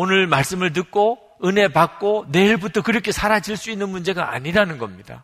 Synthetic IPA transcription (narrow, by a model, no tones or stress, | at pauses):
onɯɭmaɭs͈ɯmɯɭt̬ɯk̚k͈o | ɯne̞pak̚k͈one̞iɭbutʰʌkɯɾʌkʰe̞sʰaɾad͡ʑiɭs͈uinːɯnmund͡ʑe̞ɡaʔa̰ɲiɾanɯnɡʌmɲida̰